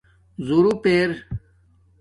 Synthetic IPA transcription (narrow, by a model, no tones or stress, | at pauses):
zuɾupeːɾ